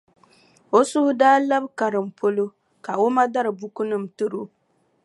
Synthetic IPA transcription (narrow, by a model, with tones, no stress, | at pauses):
o˦sʊ˦hʊ˦daː˦la˦bka˨ɾɨ˨m̩˨pʰo˦lo˦ | ka˨o˦ma˦da˦ɾɨ˨bu˦ku˦nɨ˨m˨tɨ˦ɾo˦